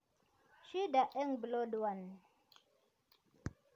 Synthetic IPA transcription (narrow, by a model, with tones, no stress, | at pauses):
ʃi˦da˨ʔɛ˦ŋblo˦dwa˨n